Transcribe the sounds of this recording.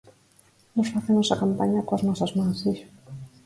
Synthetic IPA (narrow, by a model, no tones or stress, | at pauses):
nosfaθemosakampaɲakoaznɔsazmãsiʃ